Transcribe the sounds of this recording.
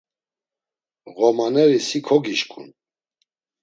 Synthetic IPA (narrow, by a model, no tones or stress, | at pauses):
ɣɔmanɛɾisikʰɔɡiʃkʼṵn